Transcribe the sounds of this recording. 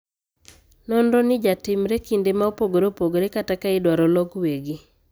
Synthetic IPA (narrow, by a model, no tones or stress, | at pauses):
nɔndɔnɪd͡ʒatɪmɾekindemaopoɡoɾopoɡoɾekatakaɪdwaɾɔlɔɡweɡi